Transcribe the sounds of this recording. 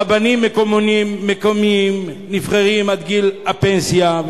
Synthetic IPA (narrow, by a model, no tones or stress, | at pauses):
abanimːeko̞monimːekomiim | nifχaʁimad̪ɡilapensja